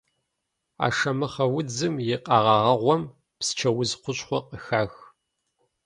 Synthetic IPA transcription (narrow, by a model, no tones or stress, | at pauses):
a̰ːʂɐmɨχɐwʊd͡zɨmjɪqɑːʁɑʁɐʁʷɔm | pst͡ʃʰɐwʊzqʷʊɕʼχʷɔqʼəxaːx